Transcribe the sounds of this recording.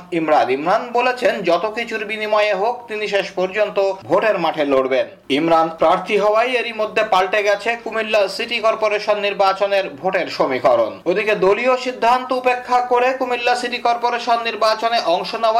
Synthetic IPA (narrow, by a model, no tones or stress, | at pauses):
imɾanimɾanbolet͡ɕʰend͡ʑɔt̪okit͡ɕʰuɾbinimɔeeɦok̚t̪iniʃeʃpɔɾd͡ʑont̪obʱoʈeɾmaʈʰeloɽben | imɾanpɾaɾt̪ʰiɦɔoajeɾimod̪ʱːepalʈeɡɛt͡ɕʰekumilːasiʈikɔɾpoɾeʃonːiɾbat͡ɕoneɾbʱoʈeɾʃomikɔɾo̰nod̪iked̪olioʃid̪ʱːant̪oupekʰːakoɾekumilːasiʈikɔɾpoɾeʃonːiɾbat͡ɕoneʔɔŋʃoneoa